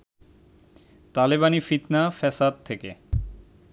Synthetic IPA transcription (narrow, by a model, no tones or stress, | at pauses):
t̪aliβanifit̪nafɛsad̪̚t̪ʰeke